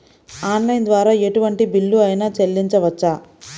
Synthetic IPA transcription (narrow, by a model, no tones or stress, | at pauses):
aːnlɐjnd̪ʋaːɾaːeʈuʋɐɳʈibilːuɐjnaːt͡ʃelːiɲt͡ʃɐʋɐt͡ʃːaː